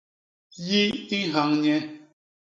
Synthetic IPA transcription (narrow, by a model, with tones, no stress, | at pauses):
ji˦i˦ɦa˨˦ŋɲɛ˦